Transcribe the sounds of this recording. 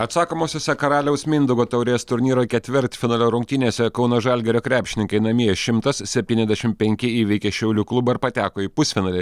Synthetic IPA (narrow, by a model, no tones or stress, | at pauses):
ɐt̪sɑːkoːmoːsʲoːsʲɛkɐɾɑːlʲɛʊsmʲɪnd̪ʊɡoːt̪ɐʊɾʲeːst̪ʊɾʲnʲiːɾoːkʲɛt̪ʲʋʲɪɾʲt̪ʲfʲɪnɑːlʲoːɾʊŋʲk̚t̪ʲiːnʲeːsʲɛkɐʊnɐʒɐlʲɡʲɛɾʲoːkɾʲæːpʲʃʲɪnʲɪŋkɐɪnɐmʲiɛɛʃʲɪmt̪ɐssʲɛpʲt̪ʲiːnʲɛzd̪ʲɛʃʲɪmʲpʲɛŋʲkʲɪiːʋʲɛɪkʲeːʃʲɛʊlʲuklˠʊbɐɪɾpɐt̪ʲæːkoːiːpʊsʲfʲɪnɑːlʲɛ